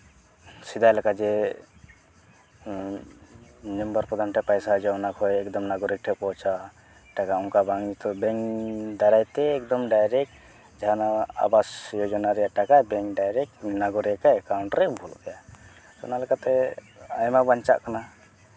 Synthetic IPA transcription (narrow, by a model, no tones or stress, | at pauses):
sid̪ajlakad͡ʒɛ | nəmbaɾpɔd̪ʱamʈɛpajsad͡ʒɔɔnakʰɔjɛk̚d̪ɔmnaɡɔɾɛk̚ʈʰɛpɔt͡ʃa | ʈakaɔŋkabaŋd͡ʒɛt̪ɔbɛŋd̪aɾajt̪ɛːk̚d̪ɔmɖajɾɛk̚ | d͡ʒaanaa̰basjɔd͡ʒɔnaɾɛjaʔʈakajbɛŋkɖajɾɛk̚naɡɔɾɛkakawɳʈɾɛbʱɔlɔbɛja | sɔnalɛkat̪ɛ | ajmabaɲt͡ʃa̰ʔkana